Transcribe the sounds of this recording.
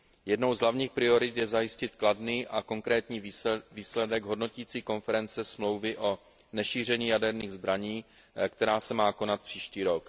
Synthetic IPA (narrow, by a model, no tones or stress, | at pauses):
jɛdnowzɦlavɲiːxpɾɪo̞ɾɪt̪jɛzajɪscɪt̪kladniːʔako̞ŋkɾɛːt̪ɲiːviːslɛdɛɡɦo̞dno̞ciːt͡siːko̞nfɛɾɛnt͡sɛsmlo̞wvɪʔo̞ | nɛʃiːr̝ɛɲiːjadɛɾniːɣzbɾaɲiː | kt̪ɛɾaːsɛmaːko̞nat̪̚pr̝̥iːʃciːɾo̞k